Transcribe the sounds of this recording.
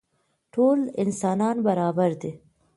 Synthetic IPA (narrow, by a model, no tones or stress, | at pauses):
ʈʰoːlɪnsɑːnɑːnbaɾɑːbaɾd̪i